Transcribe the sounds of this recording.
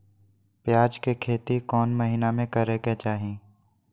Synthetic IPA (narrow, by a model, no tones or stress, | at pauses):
pjaːd͡ʒkekʰeːt̪ikɔːnmɐɦɪnamẽkəɾeket͡ʃaːɦĩː